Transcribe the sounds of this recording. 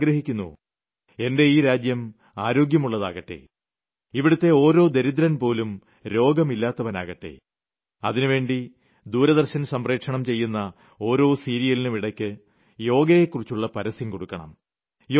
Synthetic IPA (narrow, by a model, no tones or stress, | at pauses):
ɡɾɐɦikʲːunːṵ | e̞nde̞iːɾaːd͡ʑjɐm | aːɾo̞ːɡjɐmuɭːɐðaːɣɐʈːḛ | iʋiɽut̪ːe̞o̞ːɾo̞ːd̪eɾid̪ɾɐnpo̞ːlum | ɾo̞ːɡɐmilːaːt̪ːɐʋɐna̰ːɣɐʈːe̞̰ | ɐðinuʋe̞ːɳɖi | d̪uːɾɐðɐrɕɐnsɐmre̞ːkʂɐɳɐmt͡ɕe̞jːunːɐ | o̞ːɾo̞ːsiːɾijɐlinɨmiɽɐkʲːɨ | jo̞ːɡɐjekːurit͡ɕːuɭːɐpɐɾɐsjimko̞ɽukːɐɳɐ̰m | j